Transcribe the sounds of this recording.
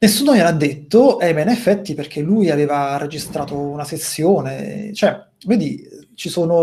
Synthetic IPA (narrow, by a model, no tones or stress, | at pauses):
nesːuːnojelad̪ːet̪ːoʔɛmenefːɛt̪ːiperk̟elːuːjaveːvared͡ʒist̪ɾaːt̪ounasesːjoːnḛt͡ʃoɛ | vɛːd̪it͡ʃisoːno